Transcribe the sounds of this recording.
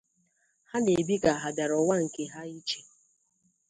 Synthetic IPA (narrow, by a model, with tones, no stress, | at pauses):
ha˦ne˨bi˦ɡa˨ɦa˨da˨ɾɔ˨wa˦ŋ̩˨ke˨ɦa˦i˦t͡ʃe˨